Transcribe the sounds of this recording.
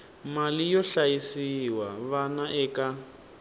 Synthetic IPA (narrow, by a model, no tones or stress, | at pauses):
malijɔɬajisiwaβanaʔɛka